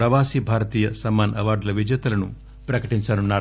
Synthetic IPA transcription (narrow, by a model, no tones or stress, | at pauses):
pɾɐʋaːsibʱaːɾɐt̪iːjɐsɐmːaːnɐʋaːɾɖlɐʋid͡ʒjɐt̪ɐlɐnu | pɾɐkɐʈiɲt͡ʃɐnunːaːɾ